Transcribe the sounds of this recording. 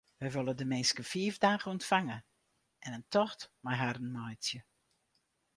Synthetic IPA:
ʋɛjʋølˠədəmɪːskəfiəvdaːɣəɔntfaŋə | ʔɛnəntʰɔxtmajɦarən̩majt͡sjə

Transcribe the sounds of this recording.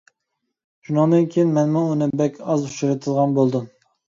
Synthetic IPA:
ʒ̥unɑlˠd̪ɨnkʲʰijinmɛnmuunɨbɛkʲʰɑzuʃuɾɨt̪ʰɨd̪ʁɑnbolˠd̪um

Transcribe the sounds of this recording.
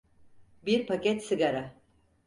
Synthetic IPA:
biɾpʰacɛt̪sɨɡaɾa

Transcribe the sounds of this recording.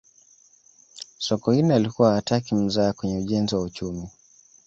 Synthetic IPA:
sɔkɔhinalikuwaːtakim̩zaːkwɛɲɛuʄɛnziwaut͡ʃumi

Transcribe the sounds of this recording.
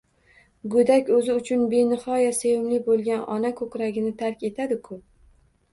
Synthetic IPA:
ɡʊd̪akʲɵzɪʊt͡ʃʰʊnbe̞nɪχɒjasejɪmlɪbolˠɡʲanʔɒnakʰɵkɾaɡʲɪnɪt̪ʰaɾkʲe̞t̪ʰad̪ɪkʰʊ

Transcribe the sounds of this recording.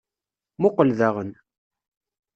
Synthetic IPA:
mʊqəlðaʁən

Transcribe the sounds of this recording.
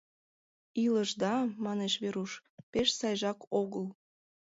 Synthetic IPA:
iləʒd̪ɑmɑneʃβeɾuʃpeʃsɑjʒɑkʰoɣəl

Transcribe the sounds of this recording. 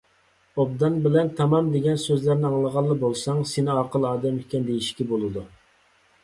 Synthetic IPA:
ob̚d̪ɑnbɪlɛnt̪ʰɑmɑmd̪eɡʲɛnsøzlæɾnɪɑŋlˠəʁɑlˠːəbolˠsɑŋsenɪɑqəlˠɑːd̪ɛmikʲːɛnd̪ejiʃkʲɛbolˠɨd̪u

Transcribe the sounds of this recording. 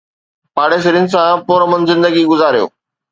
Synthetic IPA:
paːɽes̬ɪɾijʊnɪ̆s̬ãpoːɾəmənzɪ̃nd̪əɡiɡʊzaːɾijo̰ː

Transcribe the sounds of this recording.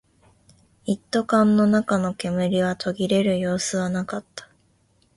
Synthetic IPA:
it̪ːo̞kãnːo̞nakano̞kʲe̞mɯ̟ɾʲiβat̪ʰo̞ɡʲiɾe̞ɾɯ̟jo̞ːsɨβanakat̪ːḁ

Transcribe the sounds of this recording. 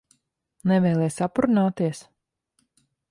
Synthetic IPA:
nɛvɛjlˠɛjsapɾunaːt̪iɛs

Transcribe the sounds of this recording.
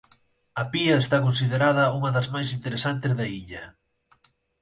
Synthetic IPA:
ɐpiɐest̪akonsiðeɾaðɐuŋɐðɐzmajsint̪eɾesant̪ɪzðɐiʎɐ

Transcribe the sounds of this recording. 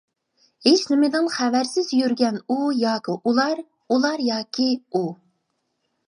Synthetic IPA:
heʃnɪmɪd̪ɪŋχævæɾsɪzjyɾɡʲɛnujɑːkʲiʔulˠɑɾ | ulˠɑɾjɑːkʲʰiu

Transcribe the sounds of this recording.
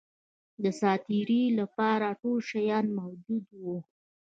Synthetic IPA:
d̪əsɑt̪iɾilapɑɾaʈolʃajɑnmahwd͡ʒud̪wu

